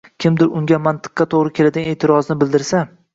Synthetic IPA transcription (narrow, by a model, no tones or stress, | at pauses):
kʲʰɪmd̪ɪɾʊŋɡʲamant̪ʰɨ̥qːɑt̪ʰoʁɾɪkʲʰe̞lad̪ɪɡaneːt̪ʰɪɾɒznɪbɪld̪ɪɾsa